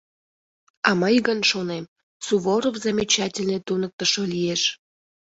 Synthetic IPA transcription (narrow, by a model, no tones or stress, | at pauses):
ɑməjɣənʃonem | suβoɾovzamʲit͡ɕɑtʲɪlʲnet̪unək̚t̪əʃolijeʃ